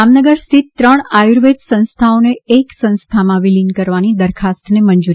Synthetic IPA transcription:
amnəɡəɾst̪ʰit̪ːɾəɳ̃ajuɾʋed͡ʒsə̃nst̪ʰaoneeksə̃nst̪ʰamãʋilinkəɾʋanid̪əɾkʰast̪nemənd͡ʒuɾi

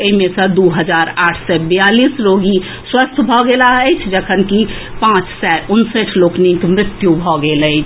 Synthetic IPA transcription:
eɦimẽsə̃d̪uɦəd͡ʒaɾaʈʰsɛbəjalisɾoɡi | swəst̪ʰbʱɔɡelaəɪt͡ʃʰd͡ʒəkʰənkipãt͡ʃsɛunsəʈʰloknikmɾɪt̪jubʱɔɡelət͡ʃʰ

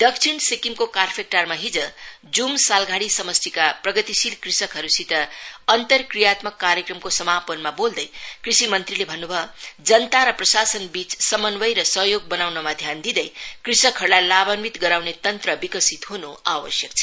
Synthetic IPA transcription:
d̪̥ʌksʰiɽsekimkokarpʰek̚ʈarmaɦid͡zʌ | d͡zumsalɡʱaɽisʌmʌst̪ikaprʌɡʌt̪isilkrisʌkɦʌɾusit̪ʌʌnt̪ʌrkrijat̪mʌkːaɾjekrʌmkosʌmapʌnmabold̪ʌjkrisimʌnt̪rilebʱʌnːubʱʌd͡zʌnt̪aɾʌprʌsasʌnbit͡ssʌmʌnbʌjɾʌsʌɦjoɡ̚bʌnawnʌmad̪ʱjand̪id̪ʌjkrisʌkʰɦʌɽlalabʌnmit̪ɡʌɾawnet̪ʌnt̪rʌbikʌsit̪ɦunoawʌsjʌkt͡sʰʌ̥

